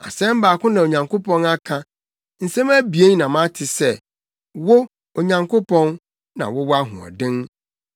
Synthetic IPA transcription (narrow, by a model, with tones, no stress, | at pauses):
a̰˨sɛ̃˦m̩˦baː˨kʊ̃˦nã˨o˨ɲã˨ŋko˦pʰɔ̃˦na˦kʰã˦ | n̩˨sẽ˦mæ˦bi˨e˦n˦nã˨mã˦tʰɪ˨sɛ˦˨ | wo˦ | o˨ɲã˨ŋkʰo˦pʰɔ̃˦n | nã̰˨wɔ˦wa˦ɦʊ̰̃˨ɔ̰˨dɪ̃˦n